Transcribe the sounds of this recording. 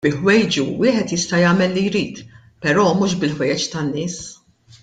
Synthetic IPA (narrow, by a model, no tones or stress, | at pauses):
bɪħwɛjd͡ʒuwɪːħɛt̪jɪst̪ɐjɐːmɛlːijɾiːt̪ | pɛɾɔːmuːʃ̬bɪlħwɛjɛt͡ʃt̪ɐnːɪːs